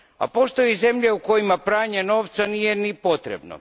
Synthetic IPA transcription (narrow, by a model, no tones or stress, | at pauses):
a̰po̞st̪o̞jize̞mʎeukojimapɾaːɲeno̞ːʋt̪sanijenipo̞t̪ɾḛbno̰